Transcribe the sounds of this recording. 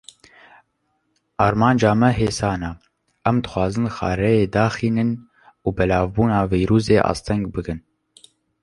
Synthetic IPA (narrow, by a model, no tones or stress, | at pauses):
ʔɑːɾmɑːnd͡ʒɑːmɛɦeːsɑːnɑ | ʔɛmd̪ɨ̥xʷwɑːzɨnxɑ̰ːɾɛjeːd̪ɑːxiːnɨn | uːbɛlɑːvbuːnɑːvijɾuːzeːʔɑ̰ːst̪ʰɛŋɡbɨɡɨn